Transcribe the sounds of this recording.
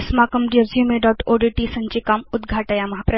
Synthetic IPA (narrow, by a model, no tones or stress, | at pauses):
smakɐmɖijɐzjumeɖɔːʈoɖiʈisɐɲt͡ɕikamud̪ɡʱaʈajamɐɦapɾɐ